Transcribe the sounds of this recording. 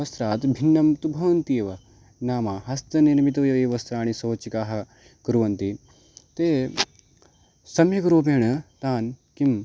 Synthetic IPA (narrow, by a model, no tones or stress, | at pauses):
ɐst̪ɾaːt̪bʱinːɐmt̪ubʱɐʋɐnt̪ieʋɐ | naːmaɦɐst̪ɐniɾmit̪̬ɐʋjɐeːʋɐst̪ɾaːɽ̃isoːt͡ʃikaːɦɐ | kuɾuʋɐnt̪i | t̪eː | sɐmjɐkɐɾoːpeːɳɐt̪aːnkim